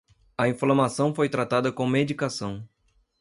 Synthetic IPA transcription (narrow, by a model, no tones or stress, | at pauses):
ɐĩflɐmasɐ̃w̃fojt̪ɾat̪ad̪ɐkõmed͡ʒikasɐ̃w̃